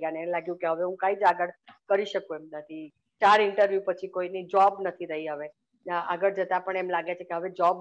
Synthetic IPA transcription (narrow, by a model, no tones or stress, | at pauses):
aneelaɡjũkeɦəʋeɦũkãid͡ʒaɡəɽkəɾiʃəkuemnət̪ʰi | t͡ʃaɾɪɳʈəɾʋjupət͡ʃʰikoinid͡ʒɔbnət̪ʰiɾəɦiɦəʋe | aɡəɽd͡ʒət̪apəɳemlaɡet͡ʃʰekeɦəʋed͡ʒɔb